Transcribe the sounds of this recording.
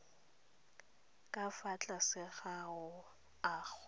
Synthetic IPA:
kʼafat͡ɬʼasɪɣaʊ | aːk͡xʊ

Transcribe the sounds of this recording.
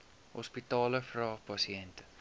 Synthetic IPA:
hɔspitɑːləfrɑːχpɐsiɛntə̥

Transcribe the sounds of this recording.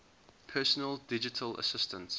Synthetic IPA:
pʰɛːˑsənəlˠdɪd͡ʒɪtʰələ̰sɪstʰə̃nts

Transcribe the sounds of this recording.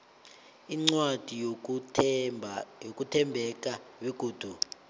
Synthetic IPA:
iŋ͡ǀwad̥ʱi | jok̬ʼutʰɛmbʱɛk̬ʼaβiɡ̥ʱuːd̥ʱu

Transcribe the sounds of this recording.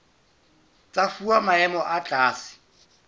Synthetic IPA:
t͡sʼafuamaɛmɔʔat͡ɬʼaːsɪ̥

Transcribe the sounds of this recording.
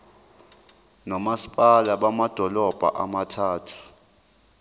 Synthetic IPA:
nɔmasi̥pʼalaɓamad̥ʱɔlɔb̥ʱa̰ʔa̰matʰaːtʰu̥

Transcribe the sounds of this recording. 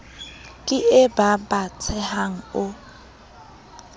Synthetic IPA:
kʼɪɪbabat͡sʰɛhaŋ̩ʊ

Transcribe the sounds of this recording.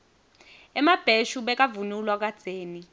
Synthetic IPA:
ɛmab̥ʱeʃuɓɛk̬ʼavunulwak̬ad̥d͡z̥ʱeːni

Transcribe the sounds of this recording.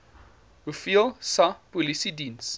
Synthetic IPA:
ufilsapɔlisidĩns

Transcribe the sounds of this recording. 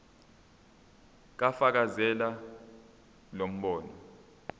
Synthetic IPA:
k̬afak̬azɛla | lom̩ɓɔːnɔ

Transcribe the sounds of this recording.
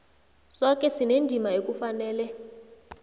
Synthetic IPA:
sɔkʼɛsinendʱimaekufanɛːlɛ

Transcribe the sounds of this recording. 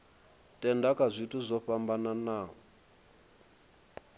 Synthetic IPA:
tʼɛndakʼazʷituzʷɔɸambananaːɔ

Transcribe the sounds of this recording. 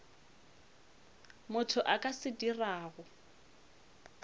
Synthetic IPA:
mʊtʰʊʔakʼasɪdiraːɣʊ

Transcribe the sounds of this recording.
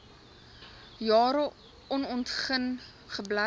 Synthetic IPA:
jɑːɾə | ɔnɔntχən | χəbla

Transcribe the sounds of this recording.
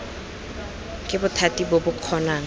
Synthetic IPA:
kʼɪbʊtʰatibʊbʊkʰɔnaːŋ̩

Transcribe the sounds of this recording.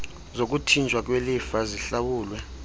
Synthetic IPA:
zok̬ʼutʰint͡ʃʼwak̬welifaziɬawuːlwɛ

